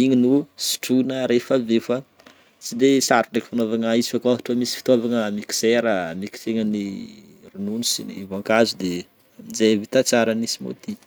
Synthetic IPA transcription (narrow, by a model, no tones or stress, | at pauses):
iɲinusi̥ʈ͡ʂunəɾefavefa | sid̪esaɾuneki̥fanovaŋaizi̥fakaɦuʈ͡ʂəmisi̥fi̥t̪oavaŋəmiki̥seɾəmiki̥seŋəni | rununusinḭvaŋkazud̪e | d͡zevit̪at͡saɾanisimo̰t̪i